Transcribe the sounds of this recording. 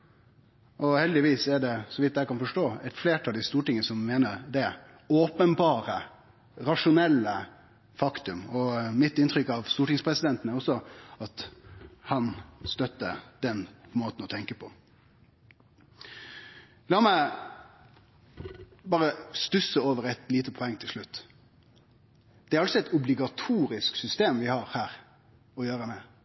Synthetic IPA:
ʔɔhɛld̪ɪʋiːsɛɖɛsɔʋɪt̪̚ːd̪æɪkɑnfɔʂʈoːɛɪt̪fleːʈʰɑːld̪ɪst̪uːʈɪŋənəsɔmːeːnəɾd̪ɛ | oːpənbɑːɾə | ɾɑʂʊnɛlːə | fɑkt̪ʉmɔmɪt̪ːɪnt̪ɾʏkːɑʋst̪uːʈɪŋspʰɾɛsɪd̪ɛnt̪ənəɾɔsːɔɑt̪hɑnst̪œt̪ːə̰d̪̥ɛnmoːt̪n̩ɔt̪ʰɛŋkəpʰɔ | lɑːmæɪ | bɑːɾəst̪ʉsəoːʋəɾɛt̪liːt̪əpʰɔɛŋːt̪ʰɪlʂlʉt̪ː | d̪̥ɛæɾɑlsɔɛɪt̪ʊblɪɡɑt̪ʰuːɾɪsksʏst̪eːmʋɪhɑːɾhæːɾ | ɔjøːɾəmɛ

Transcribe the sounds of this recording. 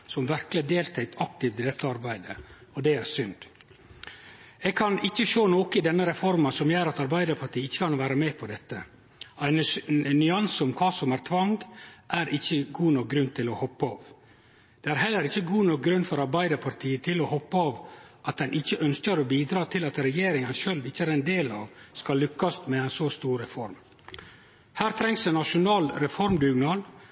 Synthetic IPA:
sɔmʋæɾkləd̪eːlt̪ʰæɪt̪ʰɑk̚t̪ɪʋt̪ɪd̪ɛt̪ːəɑɾbæɪd̪əɔd̪ɛæɾsʏnd̪̥ | ɛɡ̚kʰɑnɪçːəʃoːnoːkəɪd̪ɛnːəɾɛfɔɾmənsɔmjøːɾɑt̪ɑɾbæɪd̪əɾpʰɑʈ̪ʰiːɪçːəkʰɑnʋæːɾəmɛpʰɔd̪ɛt̪ːə | æɪnnʏɑnsɔmkʰɑːsɔmæɾt̪ʰʋɑŋɡʔæɾɪçːəɡuːnɔk̚ɡɾʉnt̪ʰɪlɔhɔpːɑːʋ | d̪̥ɛːæɾɦɛlːəɾɪçːəɡuːnɔk̚ɡɾʉnːfɔɾɑɾbæɪd̪əpʰɑɾt̪ʰiːət̪ʰɪlɔhɔpːəɑːʋʔɑt̪̚d̪ɛnʔɪçːəʔœnskəɾɔbiːd̪ɾɑːt̪ʰɪlɑt̪ɾɛjeːɾɪŋənʃœlʋɪçːəæːɾɛɪnd̪eːlɑ̰ːʋskɑlːʏkːɑst̪mɛæɪnsost̪uːɾɾɛfɔɾm | hæːɾt̪ʰɾɛŋsənɑʂʊnɑːlɾɛfɔɾmɡʉɡnɑɾ

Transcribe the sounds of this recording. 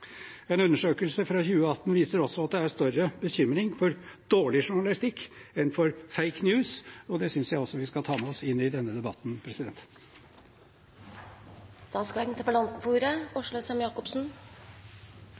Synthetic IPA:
ɛnʉnːəʂøːkəlsəfɾɑçʉːəɑt̪ːnʋiːsəɾɔsɔɑt̪̚d̪ɛæɾst̪œɾəbəɕʏmɾɪŋfɔɾd̪̥oːɭɪʂʊɳɑlɪst̪ɪkːɛnfɔɾfeɪknjʉːsɔd̪ɛsʏnsjæɪɔsːɔʋɪskɑt̪ʰɑːmɛɔsɪnːɪd̪ɛnːəd̪ɛbɑt̪ːnpʰɾɛsɪd̪ɛnt̪ | d̪̥ɑːskɑnt̪ʰəbəlɑnt̪̩fuːɾəɔʂɭʊsɛmjɑːkɔpsn̩

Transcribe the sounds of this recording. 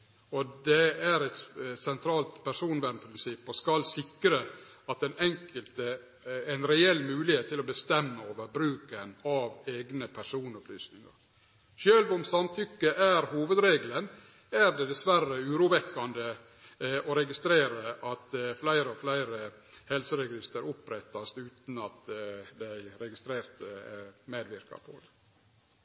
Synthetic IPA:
ɔd̪ɛæɾɛt̪sɛnt̪ʰɾɑːlt̪pʰæɾʂuːnʋæːɖnpʰɾɪnsɪpːɔskɑlsɪkːɾə | ɑt̪ɛnɛŋkʰəlt̪ə | ɛɪnɾɛɛlːmʉːlɪheːt̪ʰːɪlɔbəst̪ɛmːəoːʋəɾbɾʉːkənɑʋeːɡnəpʰæʂuːnɔplyːsnɪŋɑ̰ɾ | ʃøːlʋʊmsɑnt̪ʰʏkːəʔæɾhuːʋəd̪ɾeːɡlən | æɾd̪ɛd̪ɛsʋærːəʉːɾuːʋɛkːɑnd̪ə | ɔɾɛɡɪst̪ɾeːɾəʔɑt̪flæɪɾəɔflæɪɾəhɛlsəɾɛɡɪst̪əɾʊpːɾɛt̪ːɑst̪ʉːt̪n̩ɑt̪d̪æɪɾɛɡɪst̪ɾeːɾt̪meːd̪ʋɪɾkɑ̰pʰo̰d̪

